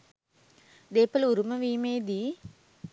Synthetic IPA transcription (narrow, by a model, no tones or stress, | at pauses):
d̪eːpɐluɾuməʋiːmeːd̪iː